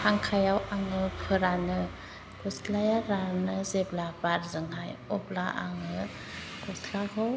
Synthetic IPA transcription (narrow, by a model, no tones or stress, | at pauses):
aŋkʰajawaŋɯpʰɯɾanɯ | ɡɔsklajaɾanɯzeblabaɾzɯŋɦajɔplaʔa̰ŋɯ | ɡ̥ɔslakʰɯw